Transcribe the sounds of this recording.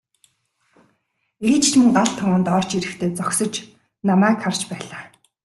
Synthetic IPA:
eːt͡ɕt͡ɕmɵ̆ŋɢaɮt̪ʰːɔʁə̆nt̪ɔr̥t͡ɕiɾɘ̆xt̪ʰeːt͡sɔksɞ̆t͡ɕ | namæːkχart͡ɕpæːɮaː

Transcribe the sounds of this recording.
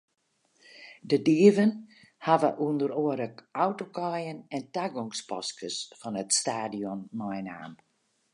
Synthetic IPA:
dədiəvən | haʋə̰ʔundəroəɾəkawtokɔjənɛntaɡɔŋspɔskəsfɔnətstaːdiɔmːɔjna̰ːm

